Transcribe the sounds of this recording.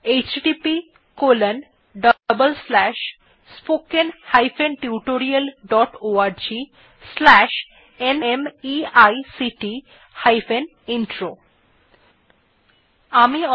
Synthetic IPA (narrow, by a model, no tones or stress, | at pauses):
et͡ɕɖipi | kolen | ɖəbəlslɛʃ | spokenhajfʰenʈiuʈoɾiəlɖɔʈoaɾd͡ʑi | slɛʃ | enemiajsiʈi | hajfen | inʈɾo | amiɔ